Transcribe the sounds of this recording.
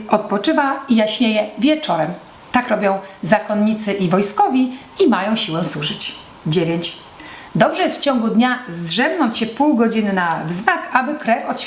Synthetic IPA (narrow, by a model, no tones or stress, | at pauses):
ɔt̪̚pɔt͡ʂɘvaijaɕɲejɛvʲjɛt͡ʂɔɾɛm | t̪akɾɔbʲjɔ̃w̃zakɔnɲit̪sɘʔivɔjskɔvʲji | imajɔ̃w̃ɕiwɛ̃swuʐɘt͡ɕ | d͡ʑevʲjeɲt͡ɕ | d̪ɔbʐɛjɛst̪ft͡ɕɔ̃ŋɡud̪ɲazd̪ʐɛbnɔɲt͡ɕɕɛpuwɡɔd͡ʑinɘnavznakabɘkɾɛfɔt̪